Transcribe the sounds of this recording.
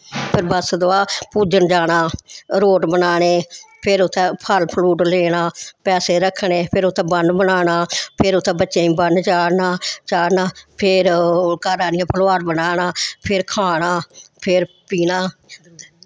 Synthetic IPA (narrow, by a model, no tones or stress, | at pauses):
pʰɪɾbəsd̪oaːpuːd͡ʒənd͡ʒaːɽ̃aːɾoːʈbənaːɽeːpʰɪɾʊt̪ʰːɛ̃ːpʰəlpʰluːʈleːɽaːpɛːseːɾəkʰːɳeːpʰɪɾʊt̪ʰːɛ̃ːbənd̪bənaːnaːpʰɪɾʊt̪ʰːɛ̃ːbətːʃẽːĩːbənt͡ʃaːɽnaːt͡ʃaːɽnaːpʰɪɾkaːɾãːd̪ɪjãːpʰəloaːɾbənaːnaːpʰɪɾkʰaːɳaːpʰɪɾ | piːnaː